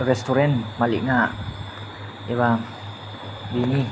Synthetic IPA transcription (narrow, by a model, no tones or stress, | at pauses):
rɛst̪uɾɛnmalḭʔŋaʔ | iβa | bini